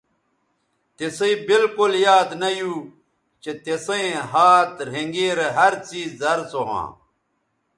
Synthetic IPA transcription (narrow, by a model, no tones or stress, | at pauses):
t̪esɐibilkuljaːd̪nɐju | t͡ɕet̪esɐĩɦaːt̪ɾ̤eŋɡeːɾeɦɐɾt͡siːzːɐɾsoɦã̰ː